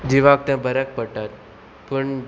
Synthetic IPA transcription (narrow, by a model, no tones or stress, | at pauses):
d͡ʒiʋak̚t̪ãbəɾək̚pəʈat̪̚ | pəɳ